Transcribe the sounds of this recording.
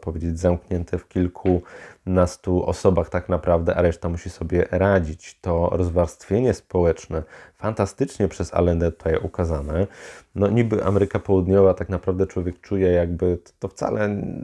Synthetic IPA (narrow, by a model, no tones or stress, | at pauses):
pɔvʲjed͡ʑed͡ʑzamkɲɛnt̪ʰɛfkʲilkʰunast̪uʔɔ̰sɔbaxt̪aknapɾavd̪ɛʔaɾɛʂt̪amuɕisɔbʲjɛɾad͡ʑit͡ɕt̪ɔɾɔzvaɾst̪fʲjeɲɛspɔwɛt͡ʂnɛfant̪ast̪ɘt͡ʂɲɛpʂɛza̰lɛnd̪ɛt̪u̥t̪ajʔukazanɛnɔɲibɘʔa̰mɛɾɘkapɔwud̪ɲɔvat̪aknapɾavd̪ɛt͡ʂwɔvʲjɛkt͡ʂujɛjaɡ̚bɘt̪ɔft̪sa̰lʔɛ